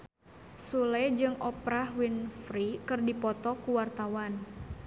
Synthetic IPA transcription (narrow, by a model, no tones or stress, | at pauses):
sulɛd͡ʒɨŋʔɔpɾahwinfɾikɨrdipɔt̪ɔkuwart̪awan